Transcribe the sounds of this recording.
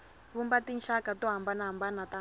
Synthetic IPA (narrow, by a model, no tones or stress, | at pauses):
βumbatinʃakatɔɦambanaɦambanata